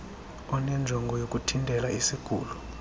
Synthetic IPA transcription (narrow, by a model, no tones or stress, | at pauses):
ɔnɛnd͡ʒʱɔŋɡʱɔjokʼutʰintʼɛlaisiɡ̥ʱṵːlu